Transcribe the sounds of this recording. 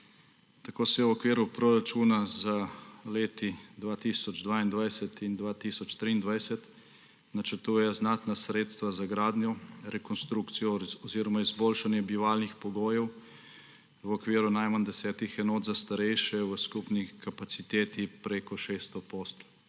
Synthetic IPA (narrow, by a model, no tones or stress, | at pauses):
t̪akoːsɛwɔkʋiːɾupɾɔɾat͡ʃuːnazaleːt̪id̪ʋaːt̪isɔd͡ʒd̪ʋaːind̪ʋajsɛt̪ind̪ʋaːt̪isɔt͡ʃt̪ɾiːnd̪ʋajsɛt̪ | nat͡ʃəɾt̪uːjɛznaːt̪nasɾeːt̪st̪ʋazaɡɾaːd̪njɔɾɛkɔnst̪ɾuːkt̪sijɔɔziːɾɔmaizboːlʃanjɛbiʋaːlnixpɔɡoːjɛw | wɔkʋiːɾunajmand̪ɛsɛːt̪ixɛnoːd̪zast̪aɾɛjʃɛwəskupnikapat̪sit̪eːt̪ipɾekɔʃeːst̪ɔpost̪